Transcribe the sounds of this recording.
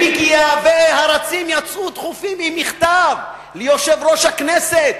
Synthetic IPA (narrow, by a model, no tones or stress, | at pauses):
ikiavehaɾat͡simjat͡sut̪χufimimiχt̪av | lejo̞ʃevɾo̞ʃhakneset̪̚